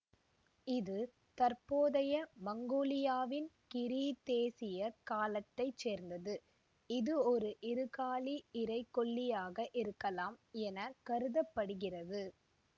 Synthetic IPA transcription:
ɪðɯ | t̪ɐrpoːðɐjɐmɐŋɡoːlɪjaːʋɪnkɪɾit̪eːsɪjɐkaːlɐt̪ːɐɪt͡ʃeːɾnd̪ɐðɯ | ɪðɯɔɾɯʔɪɾɯɣaːliɪɾɐɪkːɔɭːɪjaːɣɐʔɪɾɯkːɐlaːmɛnɐkɐɾɯðɐpːɐɽɯɣɪrɐðɯ

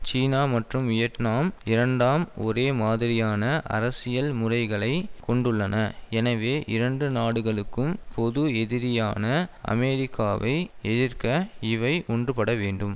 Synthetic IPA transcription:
t͡ʃiːnaːmɐʈrɯmɪjɐʈnaːmɪɾɐɳɖaːmɔɾeːmaːðɪɾɪjaːnɐʔɐ̰ɾɐsɪjɐlmʊrɐɪɣɐɭɐɪkɔɳɖɯɭːɐnɐɛnɐʋeːʔɪɾɐɳɖɯnaːɽɯɣɐɭɯkːɯmpɔðɯɛðɪɾɪjaːnɐɐ̰mɛːɾɪkːaːʋɐ̰ɪɛðɪrkɐɪʋɐɪʔɔɳdrɯpɐɽɐʋeːɳɖɯm

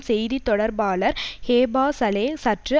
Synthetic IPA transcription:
sɛjðit̪ːɔɽɐɾbaːlɐɾheːbaːsɐleːsɐʈrɯ

